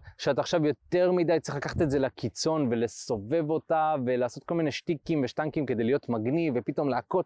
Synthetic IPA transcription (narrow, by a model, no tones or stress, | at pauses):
ʃeataːχʃavjo̞t̪e̞ʁmidajtt͡si̥χlakaχḁte̞tze̞lakit͡so̞nve̞le̞so̞ve̞vo̞tave̞laːso̞t̪̚ko̞lmine̞ʃtikimveʃtaŋkimke̞d̪ejlijo̞tmaɡnivepito̞mleako̞t